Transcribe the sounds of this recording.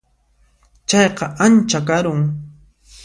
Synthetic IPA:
t͡ʃɑjqɑʔant͡ʃakaɾʊŋ

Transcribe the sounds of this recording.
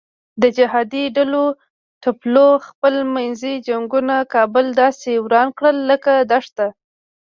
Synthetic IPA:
d̪əd͡ʒɪɦɑd̪iɖalo | ʈaploxpəlmajnzid͡ʒaŋɡunakɑbʊld̪ɑsewɾɑnkɽəlːəkad̪ɑʂt̪a

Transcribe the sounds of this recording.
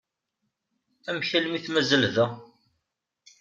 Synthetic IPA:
æmçælmiθmæzəlðæ

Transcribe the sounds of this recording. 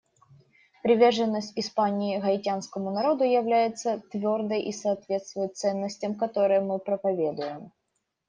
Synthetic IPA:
pɾʲɪvʲe̞rʐɨnːəsʲtʲɪspanʲɪɪɣɐɪtʲanskəmʊnɐɾo̞d̪ʊjɪvlʲæjɪt̪sət̪vʲo̞rd̪əjʔisɐːt̪vʲe̞t̪st̪vʊjʊt̪t̪sɛnːəsʲtʲəmkɐt̪o̞ɾɨjəmɨpɾəpɐvʲe̞d̪ʊjɪm

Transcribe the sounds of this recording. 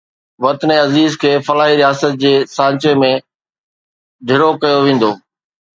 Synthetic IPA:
ʋɐt̪neɐziːzkʰeːfɐlaːɦiɾijaːsət̪̚d͡ʑeːsãːɲt͡ɕemẽ | d̪ʱɪɾokɐjoʋẽːn̆d̪oː

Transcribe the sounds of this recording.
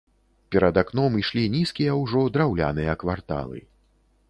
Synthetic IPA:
pʲɛɾɐd̪akn̪ɔmiʂlʲinʲiskʲijɐwʐɔd̪ɾawlʲa̰nɨjɐkvart̪a̰lˠɨ̰

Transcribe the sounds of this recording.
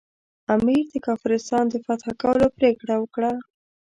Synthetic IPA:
amiɾd̪əkɑfɾɪst̪ɑnd̪əfat̪xakawəlopɾekɽawəkɽa

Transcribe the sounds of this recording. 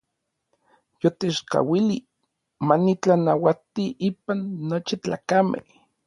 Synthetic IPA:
jot̪et͡ʃka̰wili | manit͡ɬanawat̪iʔiːpanːot͡ʃit͡ɬa̰ːkamḛh

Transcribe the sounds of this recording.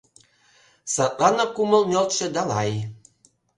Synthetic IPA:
sɑt̪̚lɑnɤkumɤ̆lˠnʲɤ̆lˠt̪ʃĕd̪ɑlɑj

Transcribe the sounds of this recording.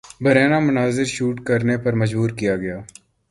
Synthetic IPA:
bʱɐɾɛːnamʊnaːzɪɾʃuːʈkəɾnepɐɾməd͡ʒbuːɾkijaːɡɐjaː

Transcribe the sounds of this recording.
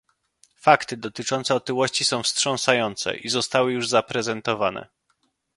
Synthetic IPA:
fakt̪ɘd̪ɔt̪ɘt͡ʂɔnt̪sɛɔt̪ɘwɔɕt͡ɕisɔ̃w̃fstʂɔ̃ñsajɔnt̪sɛ̰ʔizɔst̪awɘjuʐzapɾɛzɛnt̪ɔvanɛ̰

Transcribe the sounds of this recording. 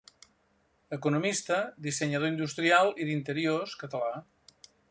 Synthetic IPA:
əkunumist̪əd̪isəɲəð̞oind̪ust̪ɾialˠiðint̪əɾioskət̪əla

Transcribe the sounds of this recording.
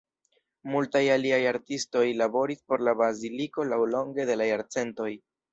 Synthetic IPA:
multajaliajaɾtisto̞jlabo̞ɾispo̞ɾlabaziliko̞lawlo̞ŋɡe̞de̞lajaɾt͡se̞nto̞j

